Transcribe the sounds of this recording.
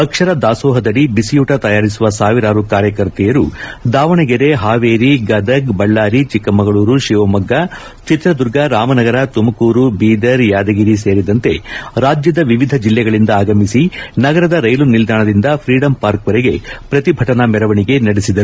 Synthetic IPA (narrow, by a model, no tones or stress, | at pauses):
ɐkʂɐɾɐd̪aːsɔːɦɐd̪ɐɽibisijuːʈɐt̪ɐjaːɾisuʋɐsaːʋiɾaːɾukaːɾjɐkɐɾt̪ɛjɐɾud̪aːʋɐɳɐɡeɾeɦaːʋeːɾiɡɐd̪ɐkbɐɭːaːɾit͡ʃikːɐmɐɡɐɭuːɾuʃiʋɐmɐɡːɐ | t͡ʃit̪ɾɐd̪uɾɡɐɾaːmɐnɐɡɐɾɐt̪umɐkuːɾubiːd̪ɐɾjaːd̪ɐɡiɾiseːɾid̪ɐnt̪e̞ɾaːd͡ʒjɐd̪ɐʋiʋid̪ʱɐd͡ʒilːɛɡɐɭind̪ɐaːɡɐmisinɐɡɐɾɐd̪ɐɾɐjlunild̪aːɳɐd̪ind̪ɐpʰɾiːɽɐmpaːɾkʋɐɾeɡe̞pɾɐt̪ibʱɐʈɐnɐmɛɾɐʋɐɳiɡe̞nɐɽesid̪ɐɾuu